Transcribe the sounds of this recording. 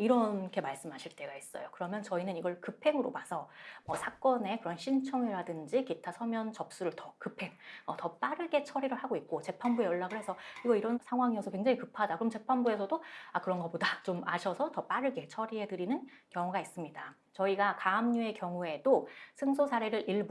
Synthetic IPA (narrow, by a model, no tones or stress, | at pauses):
iɾʌnkʰe̞maɭs͈ɯmɦaɕʰiɭt͈e̞ɡais͈ʌjokɯɾʌmjʌnt͡ɕʌinɯniɡʌɭkɯpʰe̞ŋɯɾomasʰʌmwʌsʰak͈ʌne̞kɯɾʌnɕʰint͡ɕʰʌŋeɾadɯnd͡ʑikitʰasʰʌmjʌnt͡ɕʌp̚s͈uɾɯɭtʌkɯpʰe̞ŋʌtʌp͈aɾɯɭɡe̞t͡ɕʰʌɾiɾɯɭhaɡoik̚k͈ot͡ɕe̞pʰanbue̞jʌɭːaɡɯɭhe̞sʰʌkiɡʌiɾʌnsʰaŋɦwaŋiʌsʰʌkwe̞ŋd͡ʑaŋikɯpʰadakɯɾʌmt͡ɕe̞pʰanbue̞sʰʌdoakɯɾʌnɡʌbodat͡ɕomaɕʰʌsʰʌtʌp͈aɾɯɭɡe̞t͡ɕʰʌɾiɦe̞dɯɾinɯn | kjʌŋuɡais͈ɯmɲida | t͡ɕʌiɡakaːmɲue̞kjʌŋue̞dosʰɯŋsʰosʰaɾe̞ɾɯɾʔiɭb